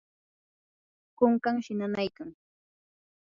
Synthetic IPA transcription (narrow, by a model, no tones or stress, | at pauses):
koŋkaŋʃɪnanajkaŋ